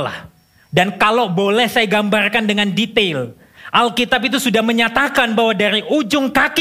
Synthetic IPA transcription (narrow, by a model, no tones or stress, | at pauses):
la̰h | dankalabolɛhsajaɡambarkandəŋandit̪el | ʔalkit̪ap̬it̪̬usudahməɲat̪akanbaɦwadaɾiʔud͡ʒʊŋkak